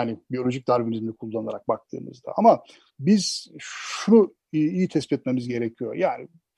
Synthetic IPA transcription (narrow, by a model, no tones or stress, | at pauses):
aːnɪbijo̞lʲo̞ʒic̚d̪aɾvinizmilikʰulˠːanlˠaɾak̚bak̚t̪ʰɯ̰ːmɯ̰zd̪a̰ama | biz̥ʃunu | ijit̪ʰɛspiɛt̪me̞mizɟe̞ɾecʰijo̞̰jaːnɪ̰